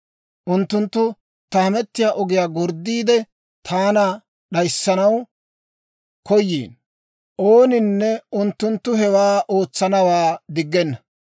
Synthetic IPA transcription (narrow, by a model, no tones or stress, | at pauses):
ʔʊnt̪ːʊnt̪ːʊ | t̪ɐmɛt̪ːɪjaːʔɔɡɪjaːɡɔɾd̪ːiːd̪ɛ | t̪ʰaːnɐ | ɗɐjsːɐnɐw | kɔjːḭːn | ʔoːnɪnːɛʊnt̪ːʊnt̪ːʊɦɛwaːʔo̞ːt͡sːɐnɐwaːd̪ɪɡːɛnːɐ